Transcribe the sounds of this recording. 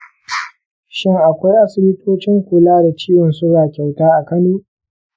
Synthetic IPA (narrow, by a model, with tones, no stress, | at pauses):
ʃɪ˦ŋʔa˨kʷa˦jʔa˦sɪ˦bɪ˦tʰoː˦t͡ʃɪ˦ŋkʷʊ˨laː˦da˨t͡ʃiː˦wɔ˨nsʊ˦ɽaː˨kʲɛ˨wtaː˦ʔa˨kɐ˦nuː˦